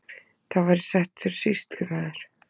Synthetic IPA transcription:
θaðvaɾɪ̥sɛht̪sɛɾsist̪lʏvɛːðaɾ̥

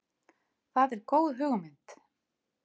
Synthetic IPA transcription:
θaðɛɾkoːwðɦʏːɣʏmɪnt̪

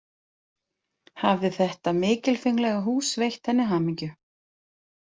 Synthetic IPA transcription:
havðɪθɛht̪amɪːcɪlfijŋlɛɣaɦuːsvejxt̪hɛnːɪɦaːmiɲcʏ

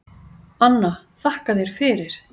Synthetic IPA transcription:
anːa | θahkaðɛɾ̥fɪɾɪɾ̥

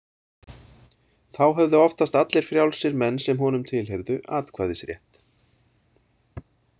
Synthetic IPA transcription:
θawɦɛvðʏɔft̪ast̪at̪lɛɾ̥fɾjawlsɪɾmɛnːsɛmɦɔn̪ʏmt̪ʰɪlɦejɾðʏʔaːt̪kʰvaːjðɪsɾjɛ̰ht̪

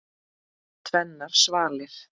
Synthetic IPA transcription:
t̪ʰvɛnːaɾ̥svaːlɪθ

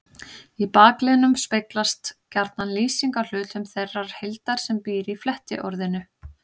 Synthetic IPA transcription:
ipaːklɛnʏmspeklast̪caɾt̪nhanliːsiŋkaɾ̥l̥ʏːt̪ʏmθejrːaɾ̥hejlt̪aɾ̥sɛmpiːɾiflɛht̪ɪ̰ʔɔɾðɪnʏ

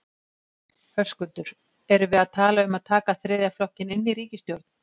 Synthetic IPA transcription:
hœskʏlt̪ʏɾ̥ | ɛɾʏvɪðaðt̪ʰaːlaʏmaðt̪ʰaːkaθɾɪːðjaflɔhcɪnɪnːiɾiːcɪst̪jowɾt̪n̥

